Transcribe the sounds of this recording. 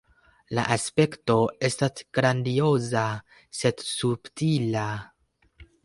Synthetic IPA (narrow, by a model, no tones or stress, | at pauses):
la̰ʔaspe̞kto̞e̞stasɡ̥ɾandio̞za | se̞dsubtila